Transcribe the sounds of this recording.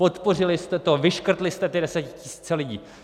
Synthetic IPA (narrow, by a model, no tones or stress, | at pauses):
pot̪po̞r̝ɪlɪst̪ɛt̪ovɪʃkr̩t̪lɪst̪ɛt̪ɪdɛsɛcɪ̥cɪsi̥ːt͡sɛlɪɟḭː